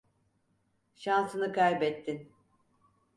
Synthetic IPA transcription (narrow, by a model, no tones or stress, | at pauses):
ʃansɯnɯkʰajbɛt̪ʰːin